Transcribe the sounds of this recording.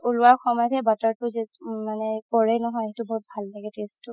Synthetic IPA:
ulʊwaxɔmɔjɔtʰɛbataɹtʊzɛmanɛpɔɹɛnɔɦɔjtubɔɦut̚bʱalnaɡɛtestʊ

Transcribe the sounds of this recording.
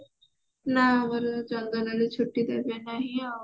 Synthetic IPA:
naʋəɾd͡zəŋɡəlalit͡ɕʰoʈːiːd̪abjanaɦia

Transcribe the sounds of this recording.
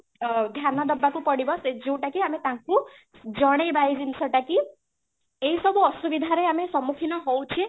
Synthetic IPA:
d̪ʱjanːɔd̪əbːakũpəɽibɔsed͡ʒeũʈakiamet̪ãkũ | d͡ʒəɽ̃ejbʱajd͡ʒinsʰəʈaki | eisəbuɔsuʋid̪ʱaɾeamesɔmukʰinɔɦowt͡ʃʰie

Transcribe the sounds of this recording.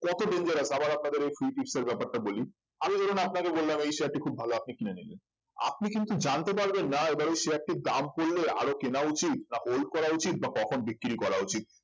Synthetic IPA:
kɔt̪oɖend͡ʑeɾasʰabaɾap̚nad̪eɾejfɾiʈiʈseɾbɛpaɾʈaboli | amid͡ʑokʰonapnakebolːamejʃeaʈikʰub̚ʱaloap̚nikinanilen | a̰p̚nikint̪ud͡ʑant̪epaɾbenːaebaɾojʃeɛk̚ʈid̪amkolːea̰ɾokenaut͡ɕit̪naholkɔɾaut͡ɕit̪̚bakɔkʰonbikːiɾikɔɾaut͡ɕit̪̚

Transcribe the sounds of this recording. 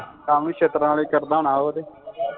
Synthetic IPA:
kaːmũːkʃʰeːt̪ɾãːleːkəɾd̪aːnaːɦoːd̪eː

